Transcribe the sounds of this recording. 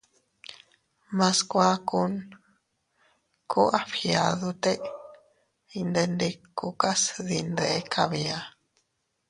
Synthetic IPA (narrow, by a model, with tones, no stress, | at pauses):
mã˧skʷa˦ku˧n | kʰu˦ʔa˦ɸiaðut̪e˦ʔ | i˧nd̪e˧nd̪i˧kːuka˦sðind̪e˦kʰaβia˧